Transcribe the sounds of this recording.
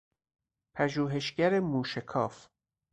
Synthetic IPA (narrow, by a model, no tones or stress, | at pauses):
pʰæʒuːɦe̞ʃɟæɾemuːʃekʰɒ̰ːf